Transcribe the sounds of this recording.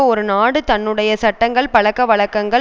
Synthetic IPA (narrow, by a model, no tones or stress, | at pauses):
ɔɾɯnaːɽɯt̪ɐnːɯɽɐjɐsɐʈːɐŋɡɐɭpɐɭɐkːɐʋɐɭɐkːɐŋɡɐɭ